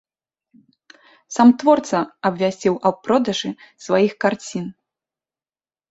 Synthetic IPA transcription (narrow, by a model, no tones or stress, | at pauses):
samt̪vɔrt̪sɐɐbvʲasʲt͡sʲiwʔɐwpɾɔd̪ɐʐɨsvajixkart͡sʲin